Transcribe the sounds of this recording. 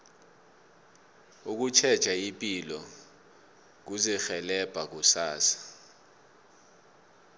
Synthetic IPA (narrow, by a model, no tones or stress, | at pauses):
uk̬ut͡ʃʰɛd̥t͡ʃʼaipʼilɔ | k̬uzɛxɛlɛb̥ʱak̬usaːsḁ